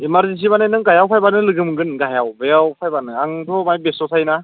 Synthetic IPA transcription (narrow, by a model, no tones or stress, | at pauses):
imaɾzis̬ibananɯŋɡajawpʰajbanɯlɯɡɯmɯɡɯnɡajawbeawpʰajbanɯaŋtʰɔmajbesɔsʰajna